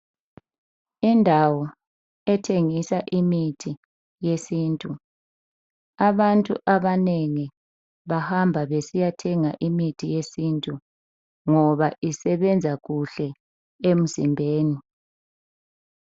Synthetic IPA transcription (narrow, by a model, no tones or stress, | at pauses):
indʱawɔ | ɛtʰeŋisaʔimitʰi | jesiːntʼu | aβantʼṵʔaβaneŋi | βahambʱaβesijatʰɛŋa̰ʔimitʰijesiːntʼu | ŋɔβaʔisɛβɛnd͡zʱaɣuɬɛ | em̩zimbʱeːni